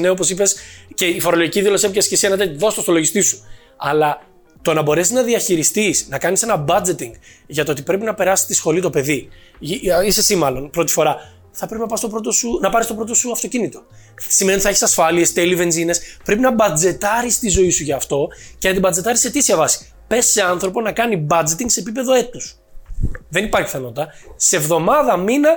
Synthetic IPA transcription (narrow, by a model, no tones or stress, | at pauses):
neop̬o̞sipe̞sceifo̞ɾolo̞ʝiciðilo̞sepçescesienɐt̪et̪iðo̞st̪osolo̞ʝist̪isu̥ | ɐlɐ | t̪o̞nɐbo̞ɾeiznɐðiɐçiɾist̪isnɐkɐnise̞nɐbɐd͡ze̞t̪iŋɡʝɐt̪oo̞t̪ipɾe̞pinɐpe̞ɾɐsi̥st̪isxo̞lit̪ope̞ði | isesimɐlo̞npɾo̞t̪i̥fo̞ɾɐ | θɐpɾepinɐpɐst̪o̞pɾo̞t̪o̞sunɐpɐɾist̪o̞pɾo̞t̪̬o̞suɐft̪o̞cinit̪o̞siment̪iθeçisɐsfɐlie̞st̪e̞live̞nzine̞spɾe̞p̬inɐbɐd͡ze̞t̪ɐɾist̪izo̞isuʝɐːft̪o̞ceɐnt̪ibɐd͡ze̞t̪ɐɾiset̪isiɐvɐsi̥ | pe̞sːe̞ɐnθɾo̞ponɐkɐnibɐd͡ze̞t̪iŋɡse̞ːpipe̞ðo̞e̞t̪us | ðe̞nipɐɾçi̥θenot̪it̪ɐsevðo̞mɐðɐminɐ